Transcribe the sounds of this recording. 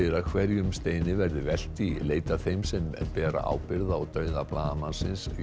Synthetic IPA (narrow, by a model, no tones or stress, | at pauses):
ɪɾaðkʰvɛɾjʏmst̪eːjnɪvɛɾðʏvɛl̥t̪ileːjt̪aθejmsɛmpɛːɾa̰ʔa̰wpɪɾðaɔwt̪œːɥðaplaːðamansɪns